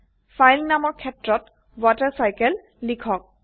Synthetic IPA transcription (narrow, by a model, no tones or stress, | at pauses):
fʰajlnamɔɹkʰɛtɹɔt | watɛɹsajkɛlː | ikʰɔk̚